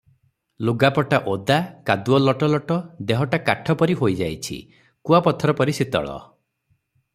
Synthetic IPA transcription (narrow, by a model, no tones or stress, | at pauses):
luɡapɔʈaʔod̪akad̪uɔlɔʈɔlɔʈɔd̪eɦɔʈakaʈʰɔpɔɾiɦojd͡ʒajt͡ʃʰḭ | kuapɔt̪ʰɔɾɔpɔɾisit̪ɔ̰ɭɔ̰